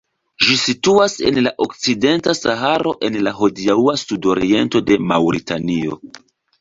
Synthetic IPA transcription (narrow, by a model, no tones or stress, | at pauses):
ʒisituase̞̰nlaʔo̞k̚t͡side̞ntasaɦaɾo̞ʔe̞nlaɦo̞diauasudo̞ɾie̞nto̞de̞mawɾitanio̞̰